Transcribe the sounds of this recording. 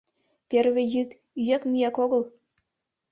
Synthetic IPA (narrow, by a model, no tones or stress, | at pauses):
pʲerβʲĕjɯt̪ | yjækmʲyjækoɡɤ̆lˠ